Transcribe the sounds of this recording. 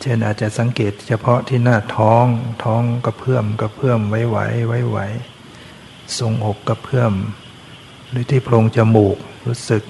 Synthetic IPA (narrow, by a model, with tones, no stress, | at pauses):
t͡ɕʰe˥˩nʔaː˨˩t̪̚t͡ɕa˨˩sa˨˦ŋkeː˨˩t̪̚t͡ɕʰa˧pʰɔ˦˥t̪ʰiː˥˩naː˥˩t̪ʰɔː˦˥ŋt̪ʰɔː˦˥ŋka˨˧˩pʰɯ˥˩əmka˧˩pʰɯ˥˩əmwa˦˥jwa̰˧˦˥jwa˦˥˩jwa̰˦˥j | so˨˩ŋʔo˨˩p̚ka˨˩pʰɯ˥˩əm | lɯː˨˦t̪ʰiː˥˩pʰlo˧ŋt͡ɕa˧˩muː˨˩k̚ɾuː˦˥sɯ˨˩k̚